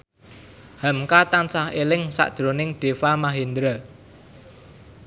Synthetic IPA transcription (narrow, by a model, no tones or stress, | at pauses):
hamkat̪ansahelɪŋsa̰ʔd̥ʒ̥ɾonɪŋɖ̥e̤famaɦend̪ɾə